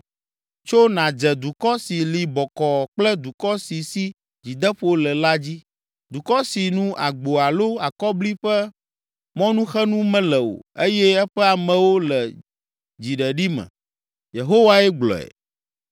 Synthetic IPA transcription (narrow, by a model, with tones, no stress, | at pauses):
t͡ʃo˦nã˨d͡ʒɛ˨d̪u˨kɔ˦si˨li˨bɔ˨kɔ˨k͡plɛ˦d̪u˨kɔ˦si˨si˦ | d͡ʑi˨d̪ɛ˦ɸo˦lɛ˨la˦d͡ʑi˦ | d̪u˨kɔ˦si˨nũ˦ʔa̰˨ɡ͡bo˨a˨lo˦a˨kɔ˦bli˦ɸɛ˦ | mɔ̃˦nũ˦xɛ˦nũ˦mɛ̃˦lɛ˨o̰˨e˦jɛ˦ɛ˦ɸɛ˦a˨mɛ̃˨wo˦lɛ˨ | d͡ʑi˨ɖɛ˨ɖi˦mɛ̰̃˨ | je˨ɦo˦wa˦ɛ˦ɡ͡blɔ̰˨ɛ̰˨